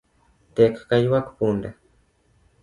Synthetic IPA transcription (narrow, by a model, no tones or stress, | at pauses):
t̪ekḁkajuwakpunda